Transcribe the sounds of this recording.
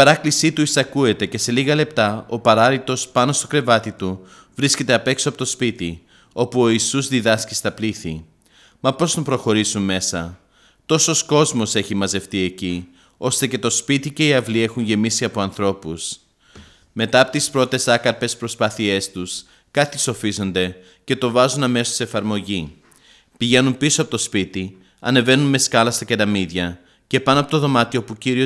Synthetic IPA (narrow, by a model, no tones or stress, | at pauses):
i̥pɐɾɐklisit̪uisɐkue̞t̪e̞ce̞se̞liɣɐle̞p̚t̪ɐo̞pɐɾɐðit̪o̞spɐno̞st̪o̞kɾe̞vɐt̪it̪u | vɾisce̞t̪e̞ɐpe̞ksoɐpot̪o̞spit̪i | o̞puo̞isuzðiðɐsci̥st̪ɐpliθi | mɐpo̞st̪umpɾo̞xo̞ɾisunme̞sɐ | t̪o̞so̞sko̞zmo̞se̞çimɐze̞ft̪ie̞ci | o̞st̪e̞ce̞t̪o̞spit̪ice̞iɐvlie̞xunʝe̞misiɐpo̞ɐnθɾo̞pus | me̞t̪ɐɐpo̞t̪ispɾo̞t̪e̞sɐkɐɾpe̞spɾo̞spɐθie̞st̪us | kɐt̪iso̞fizo̞nd̪e̞ | ce̞t̪o̞vɐzunɐme̞sosse̞fɐɾmo̞ʝi | piʝe̞numpisoɐpot̪o̞spit̪i | ɐ̰ne̞ve̞nunme̞skɐlɐst̪ɐce̞ɾɐmiðʝɐ | ce̞pɐnoɐpo̞t̪oðo̞mɐt̪io̞puciɾio